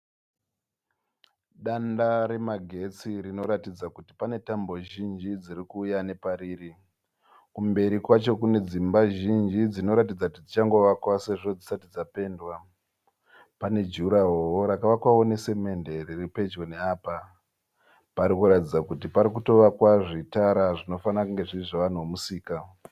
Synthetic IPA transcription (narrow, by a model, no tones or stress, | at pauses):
ɗandaɾe̞maɡʱe̞t͡sirino̞ɾatid͡zakuti̥pane̞tambo̞ʒind͡ʒid͡zirikuːjane̞paɾiːri | kumbe̞ɾikwat͡ʃo̞kune̞d͡zimbaʒind͡ʒid͡zino̞ɾat̬id͡zakutid͡zit͡ʃaŋɡo̞ʋakwase̞ʐo̞d͡zisatid͡zape̞ndwa | pane̞d͡ʒuɾaɦowoɾakaʋakwaone̞se̞me̞nde̞riripe̞d͡ʒɡoneaːpa | paɾikuɾatid͡zakutipaɾik̬uto̞ʋakwaʐitaɾaʐino̞fanakuŋɡe̞ʐiriʐoʋan̤uomusiːka